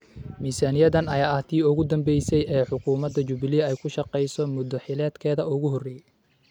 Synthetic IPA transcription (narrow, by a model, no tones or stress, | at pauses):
miːsaːnɪjɐðɐnɐjaːʔɐht̪ʰiːʊɣʊd̪ɐmbɛjsɛjɛːħʊkʰuːmɐd̪ɐt͡ʃʊβɪliɛjkʰʊʃɑqɛjsɔmʊd̪ɔħɪlɛːd̪kʰɛːðɐʔʊɣʊɦɔrɛj